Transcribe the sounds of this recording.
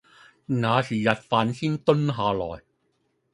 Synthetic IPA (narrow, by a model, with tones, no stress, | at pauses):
naː˨˧siː˨˩jɐ˨t̚faː˨nsiː˥nt̪ɵ˥nɦaː˨˧lɔ̰ː˨˩j